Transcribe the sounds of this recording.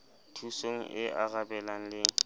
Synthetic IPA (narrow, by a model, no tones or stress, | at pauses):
tʰusoŋ̩ʔɪʔaɣabɛlaŋ̩lɪ